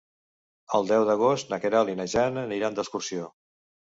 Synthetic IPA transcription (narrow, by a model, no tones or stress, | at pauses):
əlˠd̪ɛwðəɣost̪nəkəɾalinəʒanəniɾand̪əskursio